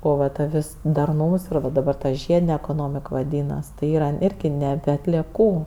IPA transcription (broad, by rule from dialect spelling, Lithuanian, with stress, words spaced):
ˈoː ʋɐ ˈtɐ ˈʋʲɪs dɐrˈnuːms ɪr ʋɐ dɐˈbɐr tɐ ˈʒʲiɛdʲɪnʲɛ ɛkoːˈnoːmʲɪk ʋɐˈdʲiːnɐs tɐɪ ˈiːrɐ ˈɪrʲɡʲɪ nʲɛˈbʲɛ ɐtʲlʲiɛˈkuː